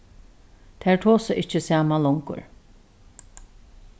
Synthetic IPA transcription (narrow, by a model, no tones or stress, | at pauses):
t̪ʰæɹt̪ʰoːsəʔɪt͡ʃːɪsjaːmalɔŋkʊ̰ɹ